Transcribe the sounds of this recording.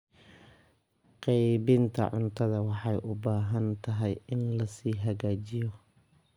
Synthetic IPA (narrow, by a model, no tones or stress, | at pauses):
qɛjβɪnt̪ʰɐ̰ʕʊnt̪ʰɐðɐwɑħɑjʔʊbaːɦɐnt̪ʰɐɦɛjɪnlɐsiːɦɐɣaːt͡ʃɪjɔ